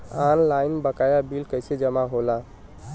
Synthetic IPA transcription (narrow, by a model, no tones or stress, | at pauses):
anlajnbəkajabilkəjsed͡ʒəmaɦola